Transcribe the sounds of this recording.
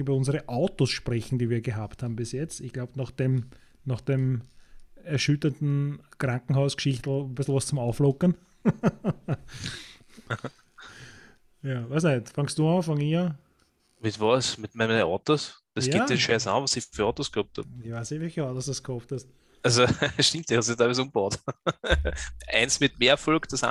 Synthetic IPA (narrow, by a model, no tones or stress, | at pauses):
yːbɐʊnzəʁəʔaʊtosʃpʁɛçn̩d̥iːviːɐɡəɦaːpthaːbm̩bɪsjɛt͡stɪçɡ̥laʊbnaχd̥em | naχd̥em | ɛɐʃʏtɐntn̩kʁaŋkŋ̩ɦɑʊskʃɪçt̩bɪsl̩ˠvɔst͡sʊmaʊflɔkən | jɑːʋaɪsnɛtfɑŋst̚d̥uːɑfɑŋiə | mɪtvɔsmɪtmænəʔɑt̪osd̥esj̥ɪdʃɛsa̰vɔsifyɐɑt̪oskhɔp̚thɑ̰pɪçʋaːsnɪçʋɛlçəɑtosd̥uskhɔfthɐst | asoʃtĩmptd̥ihɑstjət̪ʰæɪvɛzũmbaʊt | ʔæ̰ɪnsmɪtmeːɐfɔlkd̥ɑsa̰